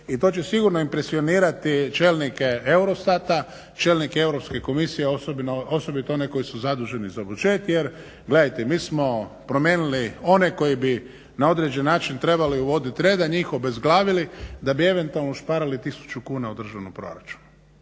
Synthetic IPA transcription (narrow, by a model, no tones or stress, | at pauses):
it̪o̞ːt͡ɕe̞siɡuɾnoimpɾe̞sio̞niːɾat̪it͡ʃeːlnikee̞wɾo̞st̪at̪a | t͡ʃe̞ːlnikee̞wɾo̞pske̞ko̞misijeosbnoso̞bit̪eo̞neko̞jisuzad̪uʒe̞nizabut͡ʃeːt̪jeɾ | ɡle̞d̪ajt̪emiːsmo̞pɾomjeːnulio̞neko̞jibi | nao̞d̪ɾed͡ʑenːaːt͡ʃint̪ɾe̞baliuʋo̞d̪it̪iɾed̪aɲixobezɡlaːʋilid̪abie̞ʋe̞nt̪ualnospaɾalit̪isu̥t͡ʃukuːnaud̪r̩ʒanopɾo̞̰ɾat͡ʃu̥n